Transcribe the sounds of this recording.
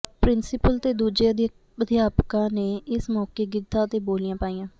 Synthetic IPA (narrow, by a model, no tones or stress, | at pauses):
pɾɪnsɪpəlt̪eːd̪uːd͡ʒeː | əd̪ʱjaːpkãːneːɪsmɔːkeːɡɪd̪ʱãːət̪eːboːlɪjãːpaːiːãː